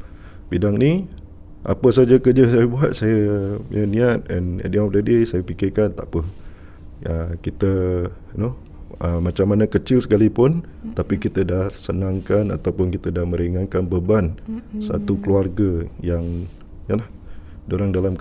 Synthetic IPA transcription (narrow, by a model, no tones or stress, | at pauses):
bidaŋni | ʔa̰pəsad͡ʒəkərd͡ʒəsajəbuat̪̚sajə̰ənĩat̪̚ɛnḛdiɔfdadisajəpikɪkant̪a̰ʔpə | əkit̪ə | no | əmat͡ʃamːanəkət͡ʃɪlsə̥kalipʊnt̪apikit̪ədahsənaŋkana̰t̪awpʊnkit̪ədahmə̃ɾiŋankanbəbansa̰t̪ukəluarɡəjaŋ | jəlah | doɾaŋdalamk